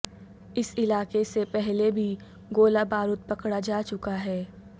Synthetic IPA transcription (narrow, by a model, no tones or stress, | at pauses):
ɪsɪlaːkesepɛɦlebʱi | ɡoːlabaːɾʊt̪̚pɐkɽad͡ʒaːt͡ʃʊkaɦɛː